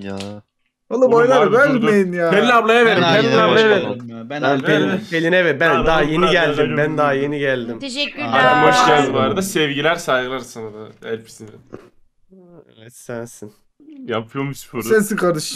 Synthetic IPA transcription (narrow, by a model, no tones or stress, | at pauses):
onːˠabojlˠaɾbølʲmejinjaːbɛniablˠajaveɾimbɛnɛab̪ˠajaveɛpelʲinpʰelʲinɛvɛt̪̚bænd̪aɦajeniɡælʲd̪imbænd̪aɦajeniɟælʲd̪imaɾambaʃlaɾd̪ɯbaɾad̪asɛvɟilʲæɾsajɡɯlˠaɾsanad̪aæɾpʰi̥sind̪ɛ | evɛt̪sɛnsin | japʰɯjomuspʰoɾsesikaɾɯʃ